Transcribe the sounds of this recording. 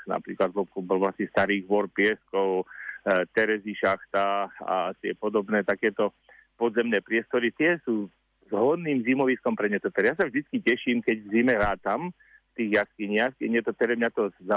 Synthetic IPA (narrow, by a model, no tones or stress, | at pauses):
na̰pɾiːklad̪ʋɔbɔlʋlasɛst̪aɾiːɣʋɔɾpɪɛskɔʊ | t̪ɛɾɛziʃaxt̪aa̰t̪ɪɛpɔd̪ɔbnɛːt̪akɛːt̪ɔ | pɔd̪zɛmnɛːpɾɪɛst̪ɔɾit̪ɪɛsuː | zɦɔd̪niːmzimɔʋiskɔmpɾɛɲɛt̪ɔp̪ɛɾjasavʒd̪it͡skicɛʃiːmkɛɟvzimɛɾaːt̪am | ft̪iːɣjaskiɲɪaxkɛɲɛt̪ɔt̪ɛɾɛmɲat̪ɔza